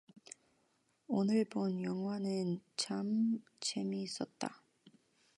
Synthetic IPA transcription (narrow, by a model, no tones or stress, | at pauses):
onɯɭbonjʌŋwanɯnt͡ɕam | t͡ɕe̞miːs͈ʌt̚t͈a̰